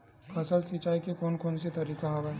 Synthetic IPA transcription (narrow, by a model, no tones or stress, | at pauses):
pʰɐsəlsit͡ʃaːikekoːnkoːnset̪ɐɾiːkaɦoʋɛ